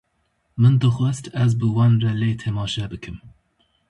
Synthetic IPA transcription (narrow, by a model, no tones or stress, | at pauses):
mənd̪əxwɛstaz̬bəwanɾaleːt̪ʰemɑːʃɛbəkʰəm